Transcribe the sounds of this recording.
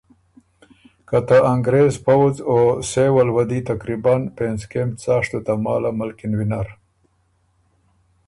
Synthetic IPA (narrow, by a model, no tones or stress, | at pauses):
kat̪aaŋɡɾezpawzosewalwad̪it̪akɾibanpenzkemt͡sɑːʂd̪ət̪amɑ̰ːlamalkɪnwinaɾ